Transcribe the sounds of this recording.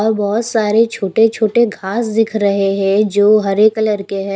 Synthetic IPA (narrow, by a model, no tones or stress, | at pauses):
ɔːɾbɔɦʊt̪saːɾet͡ʃʰoːʈet͡ʃʰoːʈeɡʱaːsd̪ɪkʰɾɐɦeɦɛ̃d͡ʒoːɦɐɾeːkləɾkeɦɛ̃